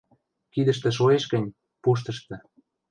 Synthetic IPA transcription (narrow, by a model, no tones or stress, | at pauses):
kid̪ə̆ʃt̪ĕʃ̬oeʃɡə̆nʲ | puʃ̬t̪ə̆ʃt̪ɤ̆